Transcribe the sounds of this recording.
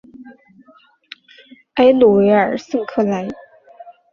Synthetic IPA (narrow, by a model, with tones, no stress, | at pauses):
a˥ɪlu˨˩we˧˥ɪə˞˨˩sə˥˧ŋkʰɤ˥˩la˧˥ɪ